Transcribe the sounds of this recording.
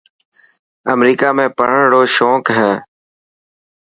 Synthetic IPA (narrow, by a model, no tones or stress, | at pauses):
əmɾiːkaːmẽːpəɽ̤əɳɽoːʃoːkɦɛː